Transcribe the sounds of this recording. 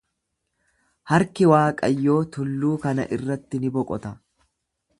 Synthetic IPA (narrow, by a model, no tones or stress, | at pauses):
hɐɾkɪwaːkʼɐjːo̞ːt̪ʊlːuːkɐnɐ̰ʔɪrːɐt̪ːɪnɪbɔkʼɔt̪ɐ